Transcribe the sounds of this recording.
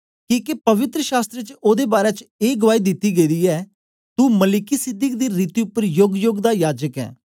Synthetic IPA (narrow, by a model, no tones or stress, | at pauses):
kĩːkepɐʋɪt̪ɾəʃaːst̪ɾet͡ʃoːd̪ebaːɾɛt͡ʃeːɡəʋaːid̪ɪt̪ːiɡəidiːɛː | t̪uməlɪkisɪd̪ɪk̚d̪iɾiːt̪iʊpːəɾjoːɡjoːɡd̪ajaːd͡ʒəkɛ̰ː